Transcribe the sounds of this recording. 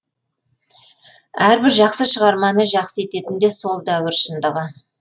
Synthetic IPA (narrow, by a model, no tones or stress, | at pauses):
æɾbɪɾʒɑqsəʃəʁɑɾmɑnəʒɑqsəe̞t̪e̞t̪ɪnd̪e̞so̞lˠd̪æwɪɾʃənd̪əʁə